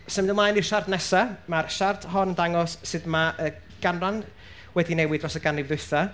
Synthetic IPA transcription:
sɛmdəmlajnirʃardnɛsamarʃartʰhɔnəndaŋɔsːɨdmaə | ɡ̥anran | wɛdinɛjwɪdrɔsəɡanɪvðʊjθa

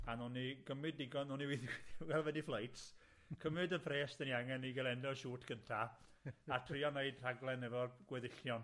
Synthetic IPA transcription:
anɔniɡəmɨdnɪɡɔnɔniwɪðwɛlˠvɛniflˠajts | kʰəmɨdənpʰreːsdəniaŋɛniɡɛlˠɛnlɔnʃuːtʰkʰəntʰa | atʰriɔneɨd̥r̥aɡlˠɛnːɛvɔɡ̥wɛðɪɬjɔn

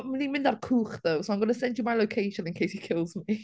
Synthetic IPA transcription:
mənimɪ̃ndarkʰuːχðowsoʊãj̃mɡʌnəsɛ̃ndjəmajlˠoʊkʰeɪʃə̃nɪ̃nkʰejshikʰɪlˠzmi

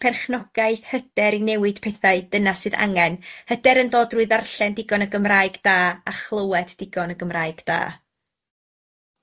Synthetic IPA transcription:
pʰɛrχnɔɡ̥aɨðhəd̥ɛɾinɛwɨd̥pʰɛθaɨd̥ənasːɨða̰ŋɛnhədɛɾəndoːdruɨðarɬɛndɪɡɔnəɡəmraːjɡdaːaχlˠəwɛdd̥ɪɡɔnəɡəmraːɨɡ̥d̥a̰ː

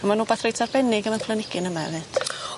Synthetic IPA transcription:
amanuːbaːθrejtʰarbɛnɪɡəmanpʰlˠənɪɡ̥ɪnəmaɛvɨːd̥

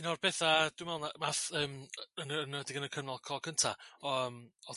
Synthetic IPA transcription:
ɪnɔrbɛθad̥wmɛlˠnamaθəːmənəəndɪɡənəkʰənɔlˠkʰɔlˠkʰəntʰa̰ɔəmɔ

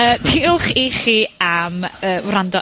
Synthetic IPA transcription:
əːpʰiʊlˠχiχiaməːwrandɔ

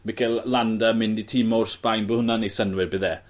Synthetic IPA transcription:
mɪkʰɛlˠlandamɪnditʰiːmɔʊrsb̥ajnbohʊnanesənwɪbɪðɛ

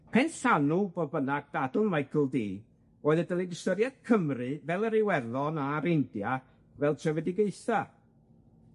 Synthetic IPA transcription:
pʰɛnsanuboːðbənaɡ̚d̥adl̩ˠnmajkʰl̩ˠdḭː | oːɨðədəlˠidɪstəɾjad̥̚kʰəmrɨvɛlˠəɾɪwɛrðɔnaɾendja | vɛlˠtʰrɛvɛdɪɡeɨθa

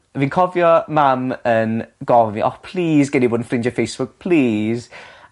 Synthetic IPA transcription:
viːnkʰɔvjɔmamənɡɔviʔɔ̰pʰl̥iːzɡɛniboːdn̩frɪnd͡ʒəfejsb̥ʊk̚pʰliːz̥

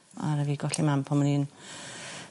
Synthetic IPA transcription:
a̰ɾəviːɡɔɬimampʰɔməniːn

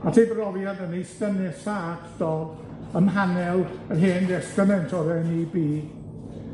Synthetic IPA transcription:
atʰibrɔvjadənejstənɛsaakʰd̥ɔ | əmɦanɛlˠərɦeːndɛstrəmɛntʰɔðɛnibiː

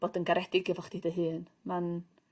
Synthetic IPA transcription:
b̥oːdənɡaɾɛdɪɡɛvɔχd̥idəɦɨːnman

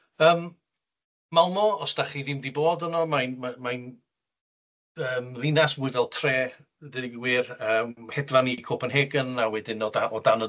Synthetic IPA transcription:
əːm | malˠmɔɔsd̥aχiðɪmðiboːdənɔmajnmamajn | əːmðɪnasmʊɨvɛlˠtʰreː | dɪdvwirəːmhɛdvanikʰoːpʰənɦeɡənawɛdɪnɔaʔɔdanə

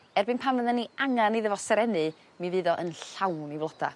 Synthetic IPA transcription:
ɛrbɨnpʰanvəðɛnːiaŋaniðəvɔsɛɾɛnɨ | mivɨːðɔʔənɬawnivlˠɔd̥a̰

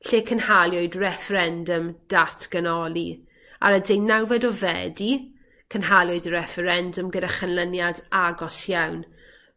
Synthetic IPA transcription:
ɬeːkʰənhalˠjɔɨdrɛfəɾɛndəmd̥atʰɡ̥ənɔlˠi | a̰ɾədejnːawvɛdɔvɛ̰di | kʰənɦalˠjʊɨdɾɛfəɾɛndəmɡədaχənlˠənjadaɡɔsjawn

